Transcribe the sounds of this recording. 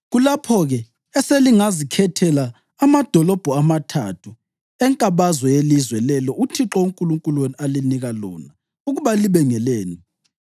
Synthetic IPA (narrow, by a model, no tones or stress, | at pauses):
ɣulapʰɔɣɛ | ɛseliŋazikʰɛtʰɛlaː | mad̥ʱɔlɔb̥ʱɔamatʰa̰tʰu | ɛŋkʼaβazwɔjelizwɛlɛlɔutʰiǁɔuŋkʼuluŋkʼulwenialiniɣalɔ̰ːna | uɣuβaliβɛŋɛleːni